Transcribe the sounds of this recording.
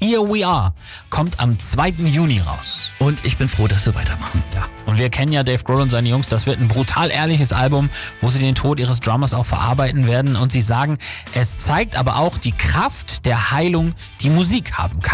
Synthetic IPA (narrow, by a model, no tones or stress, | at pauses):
hiːɐwiːaːɐ | kʰɔmtʰa̰mt͡sv̥aɪtn̩juːniʁa̰ʊsʔʊntɪçb̥ɪnfʁ̥oːdas̬v̥iɐvaɪtʰɐmaχn̩jaːʔʊntv̥iːɐkʰɛnənjaːdɛɪfɡ̥ʁoːlʊntzaɪnəjʊŋsd̥asv̥ɪɐtnbʁutʰaːlʔeːɐlɪçəsʔa̰lbʊmvoːziːdeːntʰoːtʔiːʁ̞əs̬d̥ʁaːmɐsaʊxfɛɐʔa̰ɐbaɪtn̩veːɐdn̩ʊntz̥iːzaːɡŋ̩ʔɛst͡saɪk̚tʔaːbɐ̰ʔaʊxd̥iːkʁ̥aftd̥eːɐhaɪlʊŋ | d̥iːmuziːkha̰ːbm̩kʰan